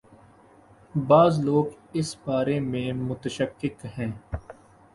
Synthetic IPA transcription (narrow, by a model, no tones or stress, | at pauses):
baːzloːɡɪsbaːɾemẽːmʊt̪əʃəkːɪkhɛ̃ː